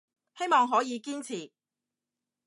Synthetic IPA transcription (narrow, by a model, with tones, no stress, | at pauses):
he˥jmɔː˨ŋɦɔː˨˥jiː˨˧kiː˥nt͡sʰiː˨˩